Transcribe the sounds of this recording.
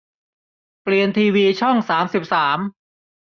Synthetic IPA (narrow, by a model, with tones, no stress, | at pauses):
pli˨ənt̪ʰiː˧wiː˧t͡ɕʰɔ˥˩ŋsaː˩˦msi˨˩p̚saː˩˦m